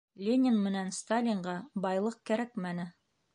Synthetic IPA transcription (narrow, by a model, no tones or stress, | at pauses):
lʲenʲɪnmɘ̆nænst̪alʲɪɴɢɑbɑjlˠɤq̚kæɾækmænɘ